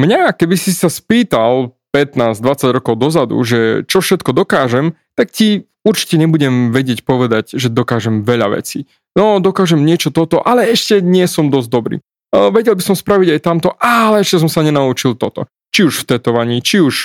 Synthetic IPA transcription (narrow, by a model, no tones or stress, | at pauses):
mɲakɛbisisaspiːt̪alpɛt̪naːzd̪ʋat͡saɟɾɔkɔʊd̪ɔzad̪ṵʒɛt͡ʃɔfʃɛt̪kɔd̪ɔkaːʒɛm | t̪akci | uɾt͡ʃi̥cɛɲɛbuɟɛmʋɛɟɪɛcpɔʋɛd̪aɟʒɛd̪ɔkaːʒɛmʋɛʎa̰ʋɛ̰t͡siː | nɔd̪ɔkaːʒɛmɲɪɛt͡ʃɔt̪ɔt̪ɔʔalɛɛʃcɛɲɪɛsɔmd̪ɔzd̪ɔbɾḭː | ʋɛɟɛlbisɔmspɾaʋiɟajt̪amt̪ɔʔalɛɛʃcɛs̬ɔmsaɲɛnaut͡ʃilˠt̪ɔt̪ɔ̰ | t͡ʃiuʃft̪ɛt̪ɔʋaɲiːt͡ʃiuʃ